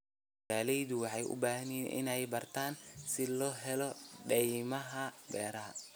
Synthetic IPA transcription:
aːlɛjðʊwɑħɑjʔʊ̰baːɦɐnɛːnʔɪ̰nɛjbɐrt̪ʰaːnsɪlɔːɦɛlɔɖɛjmɐɦɐbɛːɾɐɦɐ̰

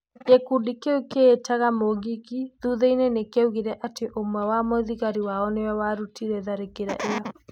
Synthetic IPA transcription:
ekudikeukeːtaɣamoɣikiðuðeinenekeuɣiɾɛʔateʔomwɛwamwoðiɣaɾiwaɔnewɛwaɾutʰiɾɛðaɾekeɾa̰ʔejɔ

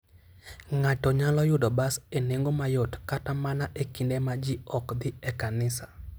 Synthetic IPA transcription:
ŋatɔɲalɔjʊdɔbaseneŋɡomajotkatamanaʔekindemad͡ʒiɔkd̪ɪɛkanɪsḁ

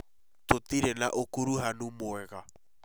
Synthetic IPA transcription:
tot̪iɾɛnaʔokuɾuɦanumoɛɣa

